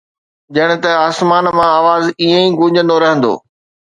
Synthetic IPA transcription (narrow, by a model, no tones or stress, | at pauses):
d͡ʑɐɽ̃ɪ̆t̪ɐaːsmaːnmãaːʋaːziẽĩːɡʊ̃ːʄə̃nd̪oɾɐɦə̃nd̪o̰ː